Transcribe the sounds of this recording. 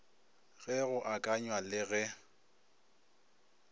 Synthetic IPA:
ɣɛɣʊʔakʼaɲwalɪɣɛ

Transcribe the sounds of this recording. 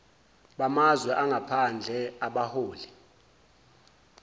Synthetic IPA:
ɓamazwɛʔaŋɡʱapʰand͡ɮʱɛaɓahoːli

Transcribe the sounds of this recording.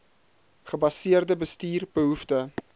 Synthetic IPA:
χəbɐsiərdəbəstiːrbəɦuftə

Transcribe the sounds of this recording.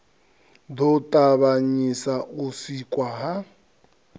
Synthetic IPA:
dɔtʼaβaɲisaʔusikʼwaɦa

